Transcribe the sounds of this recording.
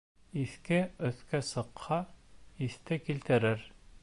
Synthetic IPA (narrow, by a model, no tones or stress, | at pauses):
iθkɘɵ̆θkæsɤ̆qhɑiθt̪ɘkilt̪ɘ̆ɾɘɾ